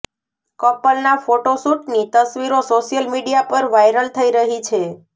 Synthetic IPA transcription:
kɔpːəlnafoʈosuʈnit̪əsʋiɾosoʃijəlmiɖijapəɾʋajɾəlt̪ʰəiɾəɦit͡ʃʰe

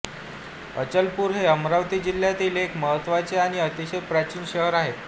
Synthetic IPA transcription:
ət͡ɕəlpuːɾɦeəmɾaʋt̪iːd͡ʑil̤ːjat̪iːlekməɦət̪ːʋat͡seaɽ̃iət̪iɕepɾat͡ɕiːnɕəɦəɾaɦe

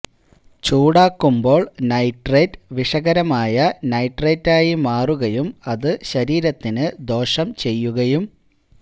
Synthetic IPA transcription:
t͡ɕuːɽaːkːumbo̞ːɭnɐjʈreːtʋiʂɐɣɐɾɐmaːjɐnɐjʈreːtːaːjimaːruɣɐjumɐðɨɕɐɾiːɾɐt̪ːinɨd̪o̞ːʂɐmt͡ɕe̞jːuɣɐjum

